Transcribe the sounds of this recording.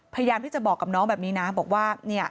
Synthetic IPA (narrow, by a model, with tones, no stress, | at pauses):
pʰa˧ja˧jaː˧mt̪iː˥˩t͡ɕa˨˩bɔː˨˩kːa˨˩p̚nɔː˦˥ŋbɛː˨˩p̚niː˦˥na˦˥bɔː˨˩k̚waː˥˩ni˥˩ɐ